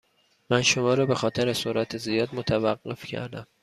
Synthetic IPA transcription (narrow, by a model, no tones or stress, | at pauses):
mænʃomɒːɾɒːbe̞xɒːt̪ʰeɾesoɾʔæt̪ʰezijɒːd̪mot̪ʰævæɢːe̞fcʰæ̰ɾd̪æm